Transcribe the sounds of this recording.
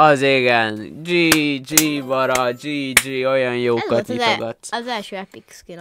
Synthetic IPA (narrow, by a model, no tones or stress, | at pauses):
ɒzeɡɛnd͡ʒiːd͡ʒiːbɒɾɒd͡ʒiːd͡ʒiːojɒnjoːkːɒt̪kifoɡɒt̪szɛlʃøɛpikski